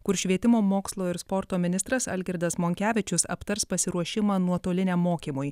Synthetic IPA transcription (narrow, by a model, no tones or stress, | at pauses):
kʊɾʃʲʋʲiɛt̪ʲɪmoːmoːkslˠoːɪɾspɔɾt̪oːmʲɪnʲɪst̪ɾɐsɐ̰lʲɡʲɛɾd̪ɐsmoːŋʲkʲæːʋʲɪt͡ʃʲʊsɐ̰pt̪ɐɾspɐsʲɪɾuɔʃʲɪmɑːnuɔt̪oːlʲɪnʲɛmːoːkʲiːmʊj